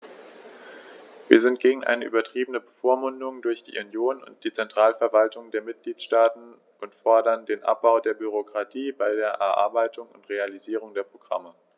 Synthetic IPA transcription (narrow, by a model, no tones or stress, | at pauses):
vḭːɐzɪnt̚ɡ̥eːɡŋ̩ʔa̰ɪnəʔy̰ːbɐtʁ̥iːbənəbəfoːɐmʊndʊŋdʊɐçd̥ḭːʔunjoːnʊ̰nt̚d̥iːt͡sɛntʁ̥aːlfɛɐvaltʊŋdeːɐmɪt̚ɡ̥liːtʃtaːtn̩ | ʔʊntfɔɐdɐndeːnʔa̰p̚b̥aʊdeːɐbyʁ̞okʁ̥atʰiːbaɪdeːɐʔɛɐʔa̰ɐbaɪtʰʊŋʊntʁ̥ealiziːʁ̞ʊŋdeːɐpʁ̥oɡ̥ʁa̰mə